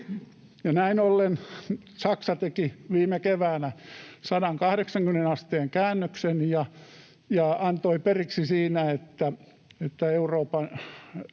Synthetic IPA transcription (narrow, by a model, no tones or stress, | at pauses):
jɑnæinolːen | sɑksɑt̪ekiʋiːmekeʋæːnæsɑdɑŋkɑhɾeksɑŋkymnenɑst̪eːŋkæːnːøksenjɑ | jɑɑnt̪oiperiksisiːnæet̪ːæ | et̪ːæeuroːpɑn